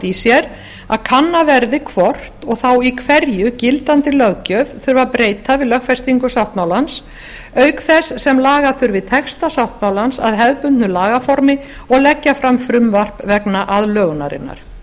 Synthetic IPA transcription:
t̪isjɛɾ | aðkʰanːavɛɾðɪkʰvɔr̥t̪ɔɣθawikʰvɛɾjʏcɪlt̪ant̪ɪlœɣcœvθʏɾvaðpɾeːjt̪avɪðlœxfɛst̪iŋkʏsawht̪mawlans | œɥkθɛsːɛmlaːɣaθʏɾvɪðt̪ʰɛxst̪asawht̪mawlansa̰ðɦɛðpʏnt̪nʏlaːɣafɔɾmɪ | ɔɣlɛcːafɾamfɾʏmvar̥pvɛknaʔaðlœːɣna̰ɾɪ̰nːa̰ɾ̥

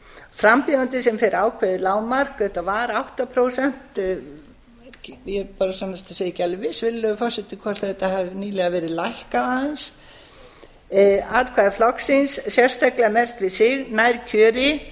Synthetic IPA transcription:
fɾampiant̪ɪsɛmfɪɾaːwkʰvɛðɪlaːwmar̥kɛht̪avaɾawht̪apʰɾoːwsɛn̥t̪ | jɛɾpaːɾasamnast̪aseːjɪcalɪvɪsvɪlːʏfɔr̥sɛt̪ɪkʰɔst̪θɛt̪ahɛvniːlɛɣavɛːɾɪðlajhkaaans | aːtkʰvaːðɪflɔksɪnssjɛr̥st̪ajklɛɣamɛr̥t̪vɪðsɪɣnajɾ̥cʰœːɾɪ

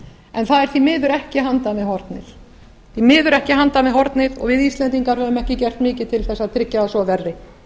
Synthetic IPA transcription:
ɛnθaðɛɾ̥θimɪːðʏɾɛhcɪɦant̪amɛðɦɔɾt̪nɪ̰θ | θimɪːðʏɾɛhcɪhant̪amɛðɦɔɾt̪nɪðɔ̰ɣvɪðist̪lɛnt̪iŋkaɾhœːvʏmɛhcɪcɛr̥t̪mɪːcɪt̪ʰɪlθɛsːaðt̪ʰɾɪcːaːðsɔvɛrːɪ

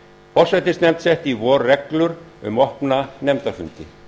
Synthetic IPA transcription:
pʰɔr̥sɛjt̪ɪst̪nɛmt̪sɛht̪ivɔːɾːɛklʏɾʏ̰mɔhpnanɛmt̪aɾfʏnt̪ɪ

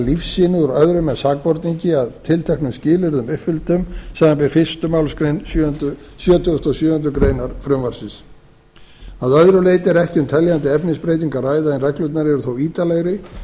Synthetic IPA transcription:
lifsːɪːnɪuɾœðɾʏmːɛðsaːk̚pɔɾt̪niɲcɪaðt̪ʰɪlt̪ʰɛhknʏmscɪːlɪɾðʏmʏpfʏlt̪ʏmsaːanpɪɾfɪ̥st̪ʏmawlskɾejnsjt̪ | sjœːt̪ʏʏ̥t̪ɔsjœːhʏnt̪̬ʏkɾeːjnaɾ̥fɾʏmvaɾ̥sɪns | aðœðɾʏleːjt̪ɛɾɛhcɪʏmt̪ʰɛljant̪ɪɛpnɪspɾeːjt̪iŋkaraːjðaɛnrɛklʏt̪naɾɪɛɾʏθowiːt̪alɛɣɾɪ

